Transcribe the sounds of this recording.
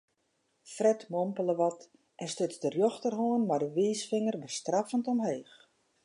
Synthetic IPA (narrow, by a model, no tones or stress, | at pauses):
frɛtmompələʋɔt | ʔɛstøsdərjoxtərɦoənmardəʋiːsfɪŋərbəstrafəntɔmɦeːx